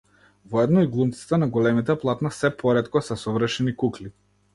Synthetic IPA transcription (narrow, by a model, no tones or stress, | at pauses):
vɔɛd̪nɔiɡlˠumt̪si̥t̪anaɡɔlɛmit̪ɛplˠat̪nasɛpʰɔɾɛt̪kɔsɛsɔvɾ̩ʃɛnikukli